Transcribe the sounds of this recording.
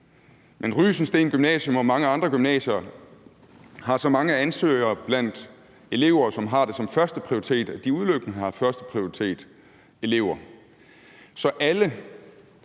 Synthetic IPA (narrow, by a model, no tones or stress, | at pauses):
mʔenʁy̰ːsn̩sd̥e̝̰ːnɡ̥ymnɛ̰ːɕjomɒ̽mɑ̈ŋəɑ̈nd̥ʁɐɡ̥ymnɛ̰ːɕɐ | hɑ̈sɒ̽mɑ̈ŋəænsø̰ːɪɐːb̥læn̰d̥ | e̝le̝ʊ̰ɐːsɒ̽mɦɑ̈d̥e̝sɒ̽mfɶɐsd̥əpʰʁioʁi̥t͡sʰe̝̰ːd̥æd̥iuðˠløɡ̥ənəhɑ̈fɶɐsd̥ə̥pʰʁioʁit͡sʰe̝̰ːd̥ | e̝le̝ʊ̰ɐ | sɒ̽ʔælə